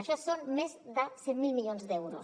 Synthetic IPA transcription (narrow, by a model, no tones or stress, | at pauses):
aʃɔsonmezd̪asɛtmilˠmiʎonzd̪ɛwɾo̰s